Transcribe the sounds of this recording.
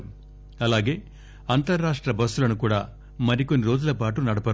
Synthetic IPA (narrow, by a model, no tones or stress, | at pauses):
ɐlaːɡe̞ː | ɐnt̪ɐɾːaːʂʈɾɐbɐsːulɐnukuːɽaː | mɐɾiko̞nːiɾo̞ːd͡ʒulɐpaːʈunɐɽɐpɐ